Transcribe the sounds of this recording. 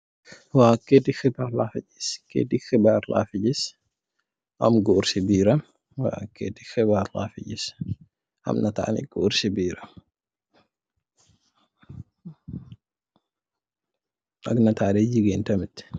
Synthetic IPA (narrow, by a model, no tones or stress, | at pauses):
waːkːet̪ɪxɪbaːɾlaːfɪd͡ʒɪ̥skḛt̪ɪxɪbaːɾla̰ːfɪd͡ʒɪs | ʔɐ̰mɡʊʊɾsɪbiːɾɐm | wa̰ːkːḛːt̪ɪ̥xɪbaːɾla̰ːfɪ̰d͡ʒɪs | ʔɐ̰mnɐt̪aʔa̰nɪ̰ɡ̥ʊʊɾsɪbiːɾɐm | ɐɡnɐt̪ʰaːɗeːd͡ʒɪɡeːnt̪ɐmɪt̪